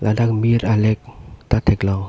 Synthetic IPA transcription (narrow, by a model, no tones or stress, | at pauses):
lʔadak̚miɾalɛk̚t̪at̪ʰeklɔ